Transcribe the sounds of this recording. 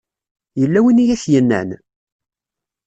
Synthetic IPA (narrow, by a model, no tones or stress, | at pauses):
jəlːæwinijæθjənːæ̰n